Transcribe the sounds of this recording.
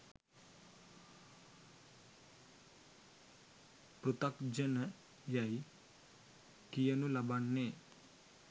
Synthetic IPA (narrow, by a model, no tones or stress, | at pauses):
pɾut̪akd͡ʒənə | jaji | kijənulabaɳːe